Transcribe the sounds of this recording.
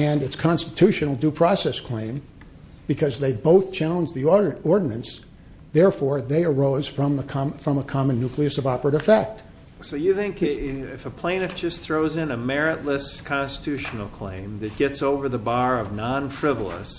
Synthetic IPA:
ɨ̃nɨtskʰɑ̃nstɨtʰʉʃɨnl̩ˠdʉpʰɹ̥ɔsɛskʰl̥ẽɪ̃m | b̥ɨkʰʌzðeɪboʊθt͡ʃʰælˠə̃nd͡ʒðiɔɹdⁿn̩ɨ̃ns | ðɛɹfɔɹðeɪə˞oʊz̥fɹʌ̃mðəkʰɑfɹʌ̃məkʰɑmɨ̃nːʉkliɨsʌvɑpə˞ɨɾɨfɛk̚t̚ | soʊjɨθɪ̃ŋkɪfəpʰl̥ẽɪ̃nɨfd̥ʒ̥ʌsθɹoʊzɨ̃nɨmɛɹɨʔˡləskʰɑ̃nstə̥tʰʉʃn̩l̩ˠkʰl̥ḛ̃ɪ̃mðɨt̚ɡ̥ɛtsoʊvə˞ðəbɑɹʌvnɑ̃nfɹ̥ɪvl̩ˠə̰s

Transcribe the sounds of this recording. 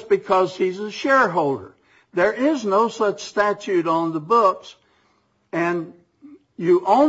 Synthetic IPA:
sb̥ɨkʰʌz̥hizəʃɛɹɦoʊlˠdə̰˞ | ðə˞ʔɪznoʊsʌt͡ʃstæt͡ʃʉɾn̩ðəbʊks | ɨ̃n | jɨʔõʊ̃

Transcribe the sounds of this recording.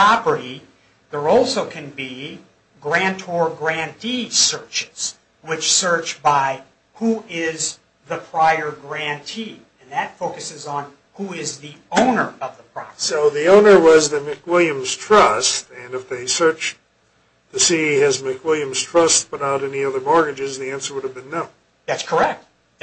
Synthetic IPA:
ɑbə˞i | ðə˞ɔlˠsoʊkʰɨ̃nbi | ɡɹæ̃ntʰɔɹɡɹæ̃ntʰisɜ˞t͡ʃɪ̥z̥ | wɪt͡ʃsɜ˞t͡ʃbaɪ | huɪz | ðəpʰɹ̥aɪə˞ɡɹæ̃ntʰi | ɨ̃nðɨtfoʊkɨsɨzn̩ | huɪzðiõʊ̃nə˞ʌvðəpʰɹ̥ɑsoʊðiõʊ̃nə˞wʌzðɨmɨkwɪlˠjɨ̃mz̥tʰɹ̥ʌstɨ̃nɨfðeɪsɜ˞t͡ʃ | ðɨsiɪzmɨkwɪlˠjɨ̃mz̥tʰɹ̥ʌst̚pʊɾaʊɾɛniʌðə˞mɔɹɡɨd͡ʒɨzðiæ̃nsə˞wʊɾɨvbɨ̃nːõʊ̃n | ðætskʰə˞ɛk̚t̚

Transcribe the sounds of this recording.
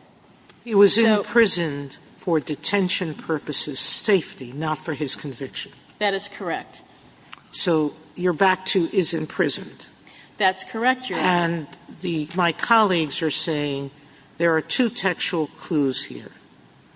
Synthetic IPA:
hiwʌzɨ̃npʰɹ̥ɪzɨ̃n | fə˞dɨtʰɛ̃nʃɨ̃npʰɜ˞pɨsɨz̥seɪftinətfə˞ɪz̥kʰɨ̃ɱvɪkʃɨ̃n | ðɨɾɨz̥kʰə˞ɛk̚t̚ | soʊ | jə˞bæk̚tʰɨʔɪzɨ̃npʰɹ̥ɪzɨ̃nd̥ðætskʰə˞ɛk̚tɨ̃nðɨmaɪkʰɑlˠiɡzə˞seɪɪ̃ŋ | ðə˞ːtʰʉtʰɛkst͡ʃul̩ˠkʰl̥uz̥hḭɹ

